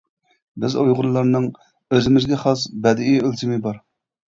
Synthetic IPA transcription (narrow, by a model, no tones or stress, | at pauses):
bɪzojʁʊɾlˠɑɾnɨŋ | øzɪmɪzɡʲɛχɑsbɛd̪ɪiølt̪ʰɪmɪbɑɾ